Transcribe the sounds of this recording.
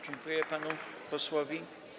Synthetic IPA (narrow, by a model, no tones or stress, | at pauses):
d͡ʑɛŋkujɛpanu | pɔswɔvʲi